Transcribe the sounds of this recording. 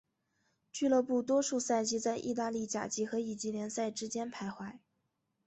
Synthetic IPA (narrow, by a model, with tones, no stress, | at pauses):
t͡ɕy˥˧lɤ˥˧pu˥˩t̪wɔ˥ʂu˥˧sa˥˩ɪt͡ɕi˥t͡sa˥˧ɪʔḭ˥˧t̪̬a˥˧li˥˩t͡ɕja̰˨˩t͡ɕi˧˥xɤ˧˥i˨˩t͡ɕi˧˥ljɛ˧˥nsa˥˩ɪʈ͡ʂɻ̩˥t͡ɕjɛ˥npʰa˧˥ɪxwa˧˥ɪ